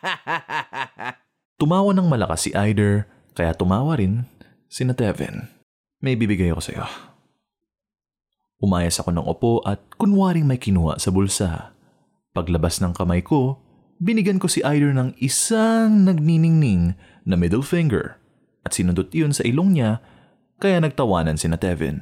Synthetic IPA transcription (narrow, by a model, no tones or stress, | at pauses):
t̪ʊmaːwɐnɐŋmɐlɐka̰sːɪ̰ʔajd̪ɛɹ | kɐjat̪ʊmaːwɐɾɪn | sɪnɐt̪ɛvɛ̰n | mɐʔibiːbɪɡajko̞sɐ̰jo̞̰ | ʔʊmaːjɐsɐko̞nɐ̰ŋʔʊ̰po̞ʔɐt̪̚kʊnwaːɾɪŋmɐjkɪnuːɐ̰ʔsɐbʊlsa̰ | pɐɡlɐbasnɐŋkɐmajko̞ | bɪnɪɡɐnko̞sɪʔajd̪ɛɹnɐŋɪsaŋnɐɡ̚ninɪŋnɪŋ | nɐmɪd̪ɛlfɪŋɡɛ̰ɹ | ʔɐt̪sɪnʊnd̪ot̪ɪjo̞nsɐʔɪlo̞ŋɲa | kɐjanɐɡ̚t̪ɐwaːnɐnsɪnɐt̪ɛvɛ̰n